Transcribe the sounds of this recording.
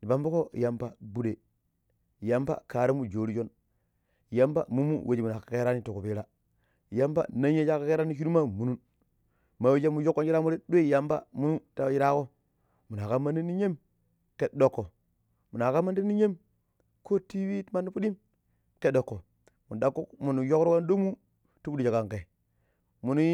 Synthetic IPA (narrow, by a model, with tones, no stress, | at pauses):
di˨ba˨˦mbo˦ko˦˨ja˨mpa˦bu˦de˨ | ja˦mpa̰˦ka˨ɾe˦mu˦d͡ʒo˨ɾi˦d͡ʒo˦n˨ | ja˦mpa̰˦mu˦mu˦wʔe˨d͡ʒi˨mu˨na˨ka˨ke˦ɾa˦ni˦to˨ko˨pi˦ɾa˦˨ | ja˦mpa̰˦na˦ɲ˦e˦t͡ʃa˦ka˦ke˦ɾa˦ni˦ʃi˦ɾu˦ma˦mu˨nu˦n | ma˨we˦d͡ʒa˦mu˨jo˦kːo˦nt͡ʃi˦ɾa˦mu˦ɾe˦ɗu˦e˦˨ja˦mba̰˦mu˦mu˦ta˦ji˦ɾa˦ko˦ | mu˨n˨a˨ka˦mːa˦n˦i˦ni˦ɲe˦m | ke˨tdo˨kːo˨ | mu˨na˨ka˦mːa˦ndi˦nːi˦ɲe˦m | ko˦ti˦wi˦tma˦nːu˦pu˦di˦m | ke˨do˨kːo˨ | mu˨n˨da˦kːu˦kmu˨n˨jo˦kɾo˦wa˦ndo˦mu˦ | tu˦bu˦da˨ka˨ŋke˨ | mu˨nu˦